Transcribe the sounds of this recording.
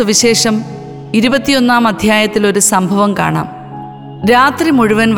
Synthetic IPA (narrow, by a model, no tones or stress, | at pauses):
uʋiɕe̞ːʂɐm | iɾubɐt̪ːijo̞nːaːmɐd̪ʱjaːjɐt̪ːilo̞ɾusɐmbʱɐʋɐmka̰ːɳa̰ːm | ɾaːt̪rimuɻuʋɐnʋ